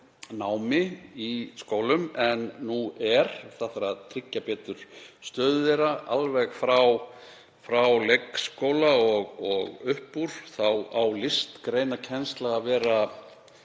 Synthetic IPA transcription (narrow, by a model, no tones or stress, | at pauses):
naːwmɪiskoːwlʏmɛnːuɛɾ̥θaθaɾaðt̪ʰɾɪcːapɛːt̪ʏɾ̥st̪œːðʏðɛɾaʔalvɛɣfɾaw | fɾawlekskoːwlaɔɣɔɣʏhpːuɾ̥θawawlɪst̪kɾeːjnacʰɛnst̪laɣavɛːɾa